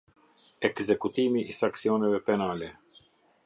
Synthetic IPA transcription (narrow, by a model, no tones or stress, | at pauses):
ɛkzɛkut̪imiʔːsaŋksiɔnɛvɛpɛnalɛ